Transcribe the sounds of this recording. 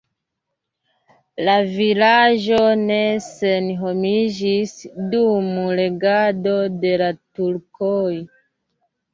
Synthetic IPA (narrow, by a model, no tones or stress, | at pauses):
lavilaʒo̞nesenɦomid͡ʒisdumule̞ɡadode̞latuɾkoj